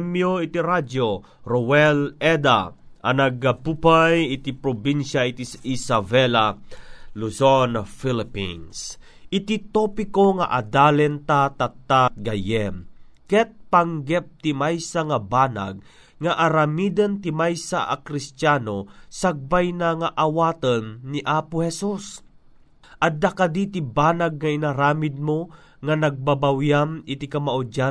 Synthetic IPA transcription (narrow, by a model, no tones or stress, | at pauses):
mjoit̪iɾad͡ʒo | ɾowɛlɛd̪a̰ʔanɐɡapupajɪt̪ipɾobinʃaʔit̪isisavɛla | lusonfilɪpḭns | ʔɪt̪it̪opɪkoŋa̰ʔad̪aːlɛnt̪at̪at̪ːat̪̚ɡajɛmkɛt̪̚paŋɡɛp̚t̪ɪmajsaŋabana̰ɡ̚ | ŋaʔaɾamiːd̪ɐnt̪imajsaʔakɾɪst̪jaːnosaɡ̚bajnaŋaʔawaːt̪ənːiʔaːpʊhɛsus | ʔɐd̪akad̪it̪ibaːnaɡ̚ŋainaɾaːmɪd̪̚mo | ŋanaɡ̚babawjamɪt̪ikɐmaʔʊd͡ʒa